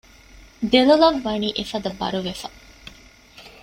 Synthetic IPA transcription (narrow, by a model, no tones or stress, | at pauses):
d̪elɐlɐʋːɐniːʔefɐd̪ɐbɐ̰ɾuʋefɐ